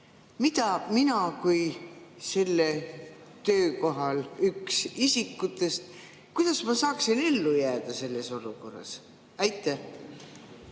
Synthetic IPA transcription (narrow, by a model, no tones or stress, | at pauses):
mit̪ɑminɑkujse̞lːe | t̪ø̞ːko̞ɦɑlyksisikːˑut̪ːˑe̞st̪ | kujd̪̥ɑsmɑsɑːksinelːujæːd̪̥ɑse̞lːe̞so̞luko̞̰rːɑ̰s | æjt̪ˑːæ